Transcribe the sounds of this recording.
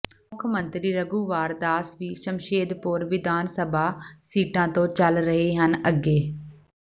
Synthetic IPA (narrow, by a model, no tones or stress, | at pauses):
mʊkʰmənt̪ɾiːɾəɡuːʋaːɾd̪aːsʋiːsəmʃeːd̪pʊɾʋɪd̪ʱaːnsəbʱaːsiːʈãːt̪õːt͡ʃəlɾəɦeːɦənəɡːeː